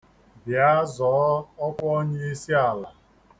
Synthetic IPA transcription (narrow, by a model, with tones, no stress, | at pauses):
bja˦zɔ˨˦ɔ˦pɔ˦ɲe˦i˦si˦a˨la˨